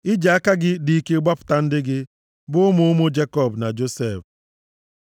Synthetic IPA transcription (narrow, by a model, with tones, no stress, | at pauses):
ɪ˦d͡ʒa˨a˦ka˦ɡɪ˦dɪ˨i˦ke˦ɡ͡ba˦pʊ̥˨ta˨n̩˦dɪ˦ɡɪ˦ | bʊ˦ʊ˦mʊ˦ʊ˦mʊ˦d͡ʒe˦kɔ˦˨bna˨d͡ʒo˦se˨f